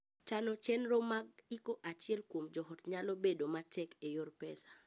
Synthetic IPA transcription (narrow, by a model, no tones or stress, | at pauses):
t͡ʃanɔt͡ʃɛnɾomaɡ̚ikoʔat͡ʃɪɛlkwomd͡ʒɔɦɔtɲalobedomatɛkejorpɛsḁ